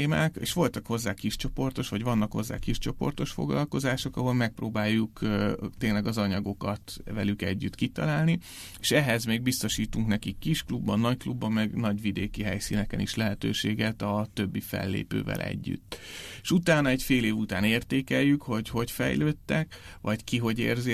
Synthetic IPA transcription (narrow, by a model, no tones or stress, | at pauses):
ma̰ːkeːʃʋo̞lt̪ɒkho̞zːaːkiʃt͡ʃo̞po̞rt̪o̞ʃʋɒɟvɒnːɒkho̞̰zːa̰ːkiʃt͡ʃo̞po̞̰rt̪o̞ʃfo̞̰ɡlɒ̰lko̞zaːʃo̞kɒɦo̞lmɛk̚proːbaːjːukːt̪eːnlɛɡɒzɒɲɒɡo̞kɒt̪vɛlykɛɟːyt̪kit̪ɒlaːlni | eːʃɛɦɛzmeːɡ̚bist̪o̞ʃiːt̪uŋknɛkikːiʃklubːɒnːɒcklubːɒmːɛɡnɒɟʋid̪eːkiɦɛjsiːnɛkɛniʃlɛɦɛt̪øːʃeːɡɛt̪ɒt̪ø̞bːifɛ̰lːḛːpø̰ːvɛ̰lʔɛ̰ɟːy̰t̪ːeʃut̪aːnɒɛcfeːleːvut̪aːneːrt̪eːkɛjːykho̞ɟho̞cfɛ̰jløːt̪ːɛkʋɒckiɦo̞ɟḛːrzi